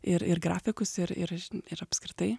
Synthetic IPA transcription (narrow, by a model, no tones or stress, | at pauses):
ɪɾɪɾɡɾaːfʲɪkʊsɪɾɪ̰ɾɪɾɐpskɾʲɪt̪ɐɪ